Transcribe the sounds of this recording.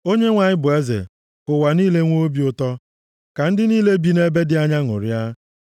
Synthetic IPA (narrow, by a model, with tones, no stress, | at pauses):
o˦ɲe˦ŋʷa˨ɲɪ˦bʊ˨e˦zḛ˨ | kʊ˨wa˨niː˦le˦ŋʷo˦bi˦ʊ˨tɔ˦ | ka˨n̩˦dɪ˦niː˦le˦bi˦ne˦be˦dɪ˦a˦ɲa˦ŋʊ̰˨ɾja˦